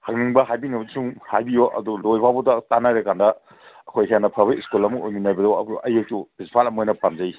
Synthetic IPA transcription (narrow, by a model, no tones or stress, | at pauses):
hɐkniŋbɐɦajbiŋɐbsuŋhajbijoʔɐ̰dulojbʰawbɔdɐtanaɾekandɐ | ɐkʰojɦeanːɐpʰaβɐiskulɐmuojminajbɐdɔɐ̰buʔɐjek̚tubispʰalɐmojnɐpamzai